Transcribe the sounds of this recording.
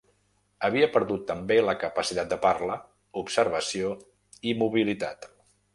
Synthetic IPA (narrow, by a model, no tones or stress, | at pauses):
əβ̞iəpəɾðut̪ːəmbeləkəpəsit̪at̪̚d̪əparlə | upsəɾβ̞əsio | imuβilit̪at̪